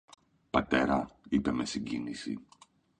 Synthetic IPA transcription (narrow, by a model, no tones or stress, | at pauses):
pɐt̪e̞ɾɐipe̞me̞siɲɟinisḭ